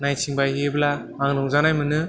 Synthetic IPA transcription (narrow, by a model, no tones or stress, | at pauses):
najsiŋbajɦebla | aŋnɯŋzanajmɯnɯ